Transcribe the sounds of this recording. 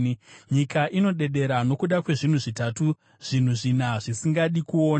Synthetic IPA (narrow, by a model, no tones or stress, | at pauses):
ɲikaʔino̞ɗe̞ɗe̞ɾano̞kuɗakwe̞ʐin̤uʐitatu | ʐ̥in̤uʐin̤aʐisiŋɡaɗikuoːn